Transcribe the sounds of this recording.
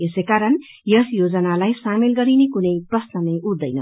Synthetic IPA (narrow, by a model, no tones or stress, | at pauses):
esekaɾʌn | jʌsjod͡zʌnalajsamelɡʌɾinekunʌjprʌsnʌnʌjud̪ːʌjnʌ̰